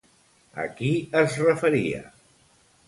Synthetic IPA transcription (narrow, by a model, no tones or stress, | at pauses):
ə̰kiəzrəfəɾiə̰